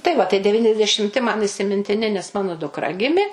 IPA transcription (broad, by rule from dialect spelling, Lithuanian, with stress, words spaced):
tɐɪ ˈʋɐ tɐɪ dʲɛˈʋʲiːnʲɛzʲdʲɛʃʲɪmʲˈtʲɪ mɐn iːsʲɪmʲɪnʲtʲɪˈnʲɪ nʲɛs ˈmɑːnoː dʊkˈrɐ ˈɡʲɪmʲɪ